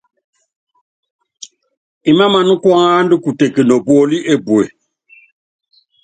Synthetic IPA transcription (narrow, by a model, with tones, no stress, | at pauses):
i˨ma˦ma˨nu˦kwɔ˦ŋaː˦ndu˦ku˨te˨kə˨nɔ˨bɔ˦li˦ʔe˦bwe˨